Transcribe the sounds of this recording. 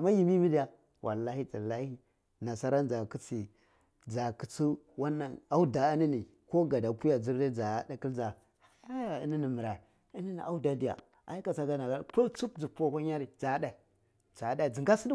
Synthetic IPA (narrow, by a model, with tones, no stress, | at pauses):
a˨ma˦ji˨mi˦mi˦di˦ja˨ | wʔa̰˨lːa˦hi˦d͡ʒa˨la˦hi˦ | na˨sa˦ɾa˦nd͡ʒa˨ki˦t͡si˨ | d͡za˨ki˨t͡si˦wa˦nːa˨na˦u˦da˨a˦ni˦ni˨ | ko˦ɡa˨da˨pu˦ja˨d͡zi˦ɾda˦d͡za˨˦da˨ki˦ld͡za˨ | ha˨˦ja˦ja˨ḭ˦ni˦ni˨mi˨ɾa˨ | i˦ni˦ni˨a˦u˦da˨di˨ja̰˨ | a̰˨i˦ka˨t͡sa˦ɡa˦na˨ɡa˦˨ko˦lt͡su˦k̚d͡zu˨po˦kʷa˦ɲa˦ɾi˨d͡za˨˦da˨i˨ | d͡za˨˦da˦i˨d͡zi˨ŋɡa˦si˦d